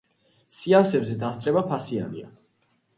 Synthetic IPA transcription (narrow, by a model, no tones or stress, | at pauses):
siasɛbzɛd̪ast̪sʼɾɛbapʰasia̰nḭa̰